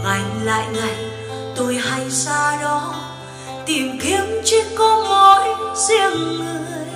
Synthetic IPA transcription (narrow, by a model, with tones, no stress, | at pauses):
ŋa˨˩jŋ̟la̰ː˧˨jŋa˨˩j | t̪o˧jɦa˧jsaː˧ɗɔ˨˦ | t̪i˨˩wɣi˨˦əmt͡ɕi˧˦kɔ˧˦mɔ˧˨jsɛ˧əmŋɨ˧˩əəj